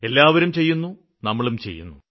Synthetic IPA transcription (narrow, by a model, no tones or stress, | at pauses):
e̞lːaːʋɐɾumt͡ɕe̞jːunːu | nɐmːɐɭumt͡ɕḛjːṵnːṵ